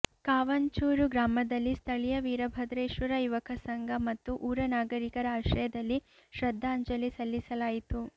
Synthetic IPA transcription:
kaːʋɐɲt͡ʃuːɾuɡɾaːmɐd̪ɐlːist̪ʰɐɭijɐʋiːɾɐbʱɐd̪ɾeːʃʋɐɾɐjuʋɐkʰɐsɐŋɡʱɐmɐt̪ːuʔuːɾɐnaːɡɐɾikɐɾɐaːʃɐjɐd̪ɐlːi | ʃɾɐd̪ʱːaːɲd͡ʒɐlisɐlːisɐlaːjit̪u

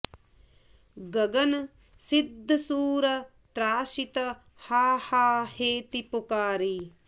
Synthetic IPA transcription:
ɡɐɡɐn | sid̪ʱːɐsuːɾɐ | t̪ɾaːʃit̪ɐ | haːhaːheːt̪ipukaːɾi

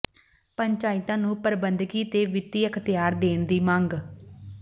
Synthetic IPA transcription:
pəɲt͡ʃaːɪt̪ãːnũːpəɾbənd̪kiːt̪eːʋɪt̪iːəkʰt̪ɪjaːɾd̪eːɳd̪iːmãŋɡ

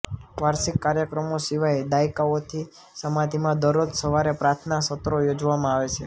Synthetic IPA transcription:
ʋaɾsikːaɾjəkɾəmosiʋajd̪aikaot̪ʰi | səmad̪ʱimãd̪əɾod̪səʋaɾepɾaɾt̪ʰnasət̪ɾojod͡ʒʋamãaʋet͡ʃʰe

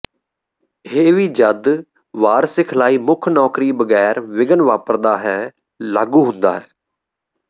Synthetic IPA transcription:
ɦeːʋiːd͡ʒəd̪ | ʋaːɾsɪkʰlaːiːmʊkʰnɔːkɾiːbəɡɛːɾʋɪɡənʋaːpəɾd̪aːɦɛː | laːɡuːɦʊ̃nd̪a̰ːɦɛː

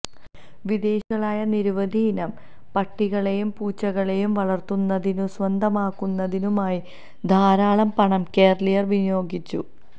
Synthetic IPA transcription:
ʋid̪e̞ːɕɐɭaːjɐniɾuʋɐd̪ʱiːnɐm | pɐʈːiɣɐɭe̞jumpuːt͡ɕːɐɣɐɭe̞jumʋɐɭɐrt̪unːɐðinuswɐnd̪ʱɐmaːkːunːɐðinumaːji | d̪ʱaːɾaːɭɐmpɐɳɐmke̞ːrɭijɐrʋinjo̞ːɡit͡ɕːu

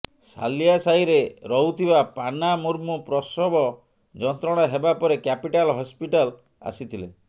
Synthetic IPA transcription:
sa̰lijasaiɾeɾɔɦut̪ʰibapanamuɾmupɾɔsɔbɔ | d͡ʒɔnt̪ɾɔɽ̃aɦebapɔɾekjapiʈalɦɔspiʈal | a̰sit̪ʰile

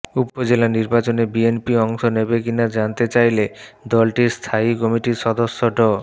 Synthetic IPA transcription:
upɔd͡ʒelaniɾbat͡ʃonebienpiɔŋsɔnebekinad͡ʒant̪et͡ʃajled̪ɔlʈiɾst̪ʰaikɔmiʈisɔd̪ɔsːɔɖɔ

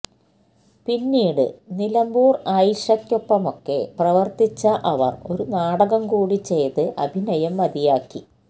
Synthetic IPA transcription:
pinːiːɽɨ̰nilɐmbuːrɐjʂɐkːopːɐmo̞kːe̞̰prɐʋɐrt̪it͡ɕːɐʔɐʋɐ̰ro̞ɾunaːɽɐɣɐmkuːɽit͡ɕe̞jt̪ɨʔɐbʱinɐjɐmːɐd̪ijaːkːi

